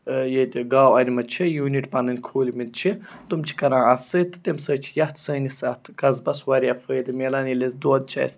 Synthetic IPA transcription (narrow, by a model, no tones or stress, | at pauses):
jet̪ʲɡaːwɐnʲimɐt͡ʃʰijuːniʈpɐnɨnʲkʰoːlʲimit̪̚t͡ʃʰit̪umt͡ʃʰi̥kɐɾãːɐt̪ʰsəjt̪ʰt̪emsəːt͡ʃʰi̥jɐht̪ʰsəːnisɐt̪ʰkɐzbɐswɐɾʲjafəːjd̪ɨmʲeːlaːnilezd̪uɐd̪̚t͡ʃʰa̰ːjs